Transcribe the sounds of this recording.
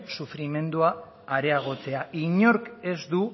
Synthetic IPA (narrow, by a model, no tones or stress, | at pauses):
sufɾime̞nd̪uaː | ɾe̞aɣ̞o̞t͡se̞aiɲo̞ɾke̞zd̪u